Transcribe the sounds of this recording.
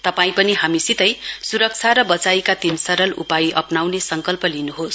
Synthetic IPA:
t̪ʌpaĩpʌniɦamisit̪ʌjsuɾʌk̚t͡sʰaɾʌbʌt͡sajkat̪insʌɾʌlṵpaiʔʌpnawnesʌŋkʌlpʌlinuɦos

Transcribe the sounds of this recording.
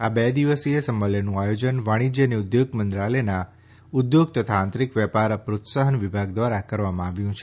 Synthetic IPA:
abed̪iʋəsiesəməlenũajod͡ʒənʋaɽ̃id͡ʒjəniud̪joɡmənd̪ɾalena | ʊd̪joɡ̚t̪ət̪ʰãːnt̪ɾikʋjɛpaɾpɾot̪saɦənʋibʱaɡd̪ʋaɾakəɾʋamãaʋjũt͡ʃʰe

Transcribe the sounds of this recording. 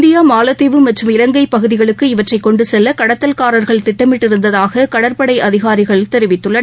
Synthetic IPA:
nd̪ɪjaːmaːlɐt̪ːɪʋɯmɐʈrɯmɪɾɐŋɡɐɪpɐɣɯðɪɣɐɭɯkːɯɪʋɐʈrɐɪkːɔɳɖɯsɛlːɐkɐɽɐt̪ːɐlkaːɾɐɾɣɐɭt̪ɪʈːɐmɪʈːɪɾɯnd̪ɐðaːɣɐkɐɽɐɾpɐɽɐɪʔɐðɪɣaːɾɪɣɐɭɪt̪ɛɾɯʋɪt̪ːɯɭːɐn

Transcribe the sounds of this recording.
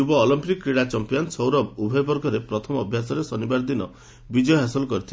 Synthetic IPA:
ubɔːlɔmpikːɾiɽat͡ʃɔmpijansɔwɾɔbubʱɔbɔɾɡʱɔɾepɾɔt̪ʰɔmɔːbʱjasɔɾesɔnibaɾd̪inɔ̰ | bid͡ʒɔɦasɔlɔkɔɾit̪ʰi

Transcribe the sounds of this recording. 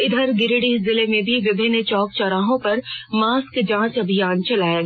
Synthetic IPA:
ɪd̪ʱəɾɡɪɾɽizɪlemẽbʱiʋɪbʱɪnːt͡ʃɔːkt͡ʃaːɾaːɦõpɐɾmaːskd͡ʒãːt͡ʃɐbʱijaːnt͡ʃɐlaːja

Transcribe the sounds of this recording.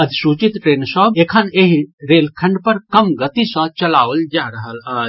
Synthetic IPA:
əd̪ʱsuːt͡ʃit̪ʈɾeːnsɔːbeːkʰəneɦɾeːlkʰɐ̃ɳɖpɐɾkɐmɡət̪isɐ̃t͡ʃɐlaːʋəld͡ʒaːɾəɦəlaː

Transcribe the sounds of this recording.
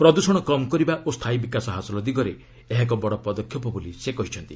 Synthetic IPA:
pɾɔd̪usɔɽ̃ɔkɔmɔkɔɾibaʔost̪ʰaibikasɔɦasɔlɔd̪iɡɔɾe | eɦak̬ɔbɔɽɔpɔd̪ɔkʰːjɔpɔbolisekɔɦit͡ʃʰɔnt̪i

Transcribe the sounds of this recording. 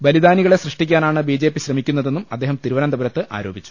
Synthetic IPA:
bɐlid̪aːniɣɐɭe̞srɨʂʈik̬ʲːaːnaːɳɨbiːd͡ʑe̞ːpːiɕrɐmikʲːunːɐðe̞nːumɐd̪ːe̞ːɦɐmt̪iɾuʋɐnɐmd̪ɐbɐɾɐt̪ːɨʔa̰ːɾo̞ːbit͡ɕːu̥

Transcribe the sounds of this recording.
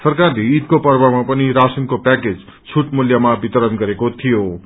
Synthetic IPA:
sʌrkarleːt̪̚kopʌrbamapʌniɾasinkopaked͡z | t͡sʰuʈmuljamabit̪ʌɾʌnɡʌɾekot̪ʰijo

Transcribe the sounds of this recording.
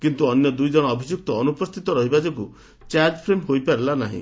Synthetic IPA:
kint̪uɔnjɔd̪ujd͡ʒɔɽ̃ɔːbʱid͡ʒjuk̚t̪ɔːnupɔst̪ʰit̪ɔɾɔɦibad͡ʒeku | t͡ʃaɾd͡ʒpʰɾemɦojpaɾelanaɦḭ̃

